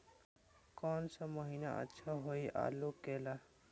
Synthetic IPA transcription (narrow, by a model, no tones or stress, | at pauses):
kɔnsə̃məɦinaʔə̰tːʃʰaɦojʔa̰lokela